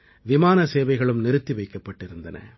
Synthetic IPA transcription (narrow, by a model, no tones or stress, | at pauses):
ʋɪmaːnɐseːʋɐɪɣɐɭɯmnɪɾɯt̪ːiʋɐɪkːɐpːɐʈːɪɾɯnd̪ɐnɐ̰